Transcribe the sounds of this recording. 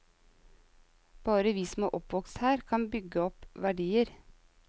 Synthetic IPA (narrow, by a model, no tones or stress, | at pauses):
b̥ɑːɾəʋiːsm̩o̰ːʔɔpʋɔkst̪hæːɾkʰɑnbʏɡəɔpʋæɖiːəɾ